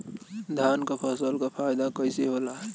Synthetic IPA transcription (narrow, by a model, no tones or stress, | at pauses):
d̪ʱankapʰəsəlkapʰajd̪akəɪseɦolaɦɛ